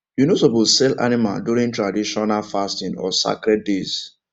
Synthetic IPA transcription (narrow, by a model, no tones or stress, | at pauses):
junosobusɛla̰nima̰lduɾĩntɹadiʃɔnalfastĩnɔ̰sa̰kɾɛt̚dez